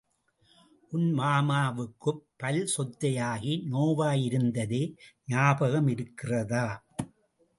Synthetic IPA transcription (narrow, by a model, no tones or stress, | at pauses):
ʔʊnmaːmaːʋɯkːɯpːɐlsɔt̪ːɐjaːɣinoːʋaːjɪɾɯnd̪ɐðeːɲaːbɐɣɐmɪɾɯkːɪrɐðaː